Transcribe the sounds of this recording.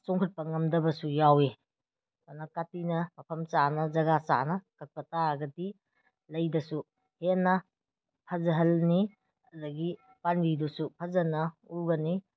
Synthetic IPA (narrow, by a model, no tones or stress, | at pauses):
sɔŋkʰut̚pɐŋɐmdɐbɐsujawe | anɐkatinɐmɐpʰɐmt͡ʃanɐzɐɡasa̰nɐkɐk̚pɐtaɡɐdi | lɐjdɐsu | henːɐ | pʰɐzɐɦɐlni | ɐdɐɡi | pandidusupʰɐzɐnɐuɡɐni